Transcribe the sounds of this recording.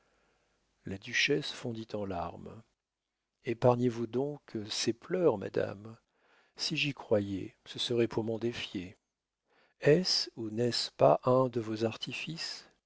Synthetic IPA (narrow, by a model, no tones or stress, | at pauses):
lad̪yʃɛsfɔ̃d̪it̪ɑ̃la̰ʁm | epaʁɲevud̪ɔ̃kseplœʁma̰d̪a̰m | siʒikχwajɛ̰səsəʁɛpʰuʁmɔ̃d̪efje | ɛsunɛspaʔɛ̃d̪əvozaʁt̪ʰifis